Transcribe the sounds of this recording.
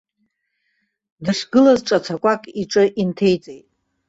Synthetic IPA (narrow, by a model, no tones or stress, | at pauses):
dɨʂɡɨlazʈ͡ʂʼat͡sʰakʷʼakʼiʈ͡ʂʼɨʔintʰe̞jt͡sʼejtʼ